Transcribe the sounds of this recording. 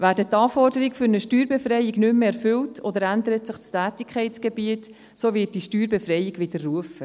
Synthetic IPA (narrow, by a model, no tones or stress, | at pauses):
ʋæːɾdətːɑːfɔrdəɾiɡfʏɾnəʃtyːɾbefrɛjɪɡnʏmmeɛɾfʏltʰɔd̪əɾændəɾətsɪχt͡stæːtɪkʰχɛɪtt͡sɡ̥ebiət | soːʋɪːt̚d̥iʃtyːɾbefrɛjɪɡʋɪdərːuəfə